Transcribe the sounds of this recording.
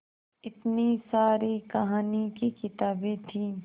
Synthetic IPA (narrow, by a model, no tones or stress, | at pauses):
ɪt̪nisaːɾikɐɦaːnikekɪt̪aːbẽt̪ʰiː